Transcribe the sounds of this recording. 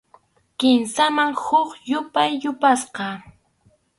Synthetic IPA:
kɪmsamaŋhʊkjʊpajːʊpasqɑ

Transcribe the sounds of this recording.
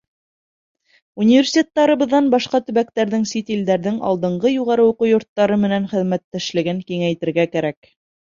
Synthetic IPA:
unʲivʲersʲi̥t̪ʲet̪ːɑɾɤ̆βɤ̆ðːɑnbɑʃqɑt̪ɵ̆βæk̚t̪æɾðɘŋsit̪ild̪æɾðɘŋɑ̰lˠd̪ɤ̆ɴɢɤjuʁɑɾɤwuqujŏɾt̪ːɑɾɤmɘ̆nænχɘ̆ðmæt̪ːæʃlɘ̆ɡɘŋkiŋæjt̪ɘ̆ɾɡækæɾæk

